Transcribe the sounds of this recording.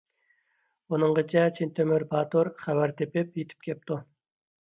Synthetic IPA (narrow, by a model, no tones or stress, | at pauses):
unɨŋʁət͡ʃʰɛt͡ʃʰent̪ʰømyɾbɑːt̪uɾχæwæɾt̪ʰepɪpjet̪ʰɪ̥p̚kʲʰɛp̚t̪ʰu